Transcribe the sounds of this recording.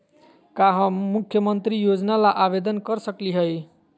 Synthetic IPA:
kaɦə̃mukʰjəmənt̪ɾijod͡ʒnalaʔabed̪ənkʌɾsəkliɦəj

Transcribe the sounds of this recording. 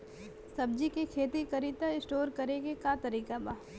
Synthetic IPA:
sɐb̚d͡ʒikekʰeːt̪ikɐɾit̪aɪsʈoːɾkɐɾeɡekat̪ɐɾiːkabaː

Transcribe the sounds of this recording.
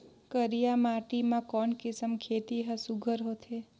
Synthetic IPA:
kəɾijamaʈimãkɔɳkɪsəmkʰet̪iɦəsuɡʱəɾɦot̪ʰe

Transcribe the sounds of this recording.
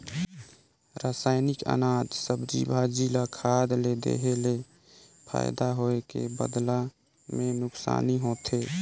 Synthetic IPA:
ɾaːsaːɪnɪkə̰naːd͡ʒ̪səbd͡ʒḭbʱad͡ʒilakʰaːd̪led̪ḛɦele | pʰa̰ːɪd̪aɦoekḛbə̰d̪la | mẽnʊksa̰ːniɦoːt̪ʰe

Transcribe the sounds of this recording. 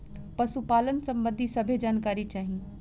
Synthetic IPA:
pɐsupaːlənsɐ̃mbə̃nd̪ʱisɐbʱed͡ʒaːnkaːɾit͡ʃaːɦĩ

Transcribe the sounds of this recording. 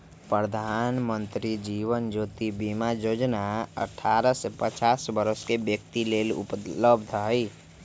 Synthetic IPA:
pɾəd̪ʱaːnmə̃nt̪ɾid͡ʒiːʋənd͡ʒoːt̪ibimajoːd͡ʒnaə̰ʈʰːaːɾəsepət͡ʃaːsbəɾəskebjək̚t̪ileːlʊ̰pləbd̪ʱɦəi

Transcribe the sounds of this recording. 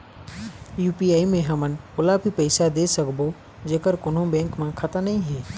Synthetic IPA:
juːpiːaːimẽɦɐmənɪ̆pʊlabʱipɐɪsad̪esɐkbo | d͡ʒeːkəɾkʊnɦõbẽːŋkmãkʰɐt̪ənɐɦĩɦeː

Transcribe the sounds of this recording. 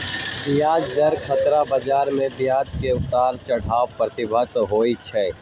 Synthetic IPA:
bjaːd͡ʒd̪ɐɾkʰət̪ɾabɐd͡ʒaːɾmẽb̪jaːd͡ʒkeʊt̪aːɾt͡ʃɐɽ̤aːwpɾət̪ɪbʱət̪ɦoːit͡ʃʰɛː

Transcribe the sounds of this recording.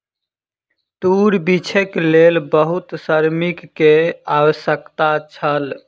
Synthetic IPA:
ʈ̪uɾbit͡ʃʰeklelbəɦut̪səɾmikːeawəsjəkt̪at͡ʃʰəl

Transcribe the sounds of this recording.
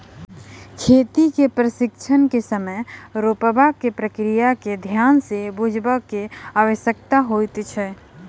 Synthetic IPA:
kʰet̪ikepɾəsɪkt͡ʃʰənkesəməjɾopəbʱaɡ̚kepɾəkɾijaked̪ʱjaːnsebud͡ʒʱbəkeaʋəʃjək̚t̪aɦojt̪t͡ʃʰɛ

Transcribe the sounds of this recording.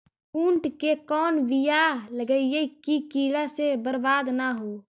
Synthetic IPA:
uːɳʈkekɔːnʋɪjaləɡəijekikiːɽasebəɾbaːd̪naɦoː

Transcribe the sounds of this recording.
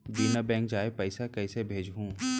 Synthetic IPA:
biːnəbɛ̃ːŋk̚d͡ʒaːepɛɪsakɛːsebʱeːd͡ʒɦũː

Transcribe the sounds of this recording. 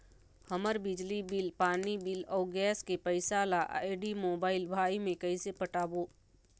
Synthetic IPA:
hɐməɾbɪd͡ʒlibɪlpaːnibɪlɔːɡɛːskepəɪsaːlaʔeɖimoːbaːɪlbʱaːimẽkɐisepəʈaːboː

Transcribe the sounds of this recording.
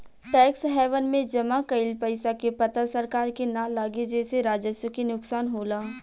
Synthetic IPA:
ʈɛːksɦɛːʋənmẽd͡ʒɐmakɐɪlpɐɪsakepɐt̪asɐɾkaːɾkenãlaːɡed͡ʒɛːseɾaːd͡ʒəswəkinʊksaːnɦoːlaː

